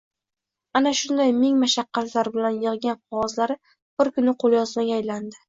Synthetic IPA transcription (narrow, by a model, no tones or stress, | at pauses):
anaʃʊnd̪ajmɪŋmaʃɑqːɑt̪laɾbɪlanjɨʁɡʲanqʰɒwɒzlaɾɪ | b̥ɪɾkʰʊnɪqʰolˠjɒzmaɡʲaːjland̪ɪ